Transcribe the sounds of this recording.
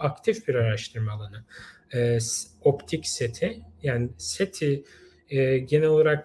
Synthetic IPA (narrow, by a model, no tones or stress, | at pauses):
akt̪ʰifbiɾaɾaʃt̪ʰɯɾmaːlˠanɯɯːsopt̪ʰicse̞t̪ʰɪjaːnɪset̪ʰiː | ɟenɛo̞lˠaɾak̚